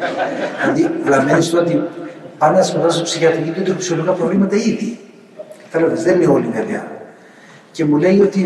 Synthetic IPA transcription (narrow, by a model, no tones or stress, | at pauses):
ɐt̪ilɐmenist̪oot̪ipɐnd̪ɐsmoðɐsopsiçɐt̪iɡit̪ot̪oksiolikɐpɾo̞vlimɐt̪ɐiði | θɐlevezðenineo̞liveveɐ̰ | ce̞mule̞jo̞t̪i